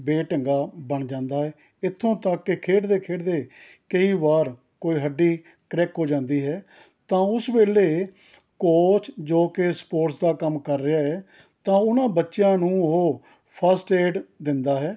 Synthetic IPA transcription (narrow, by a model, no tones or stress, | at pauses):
beːʈəŋɡaːbəɳd͡ʒãːnd̪aːɦɛː | ɪt̪ʰːõːt̪akːɪkʰeːɖd̪eːkʰeːɖd̪eː | kəiːʋaːɾ | koːiːɦəɖːiː | kɾɛːkɦoːd͡ʒãːnd̪iːɦɛː | t̪ãːʊsʋeːleː | koːt͡ʃd͡ʒoːkespoːɾʈsd̪aːkəmkəɾːɪaːɦɛː | t̪ãːʊnãːbətːʃjãːnũːɦoː | pʰəsʈeːɖd̪ɪnd̪aːɦɛː